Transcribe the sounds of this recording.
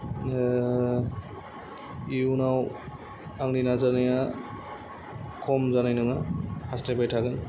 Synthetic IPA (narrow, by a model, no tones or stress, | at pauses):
iunaw | aŋninazanaja | kʰɔmzanajnɯŋahastabajtʰaɡɯn